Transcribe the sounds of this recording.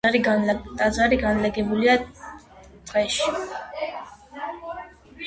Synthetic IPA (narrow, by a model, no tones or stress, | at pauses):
ɾilt̪ʼazaɾiɡanlɛɡɛbulia | t̪ʼʁɛʃi̥